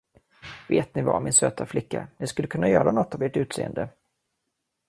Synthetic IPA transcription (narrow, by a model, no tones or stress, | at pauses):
veːt̪̚nɪva̰mɪnsøːt̪ʰaflɪkːa̰nɪskɵlːəkʰɵnːajœːɾanɔt̪ːaveːʈʉ̟ːt̪sḛːə̰nd̪ə